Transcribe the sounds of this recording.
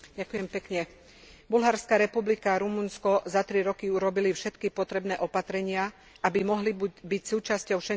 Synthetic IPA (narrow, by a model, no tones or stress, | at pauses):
ɟakujɛmpɛkɲɛ | bulɦaɾskaɾɛpublikaːɾumunskɔzat̪ɾiɾɔkiuɾɔbilifʃɛt̪kipɔt̪ɾɛbnɛːʔɔpat̪ɾɛɲɪa | ʔabimɔɦlibicsuːt͡ʃascɔʊʃɛ